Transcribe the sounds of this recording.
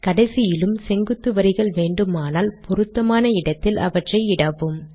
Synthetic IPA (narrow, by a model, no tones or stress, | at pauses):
kɐɽɐɪsɪjɪlɯmsɛŋɡɯt̪ːɯʋɐɾɪɣɐɭʋeːɳɖɯmaːnaːlpɔɾɯt̪ːɐmaːnɐɪɽɐt̪ːɪlʔɐ̰ʋɐʈrɐɪɪɽɐʋɯm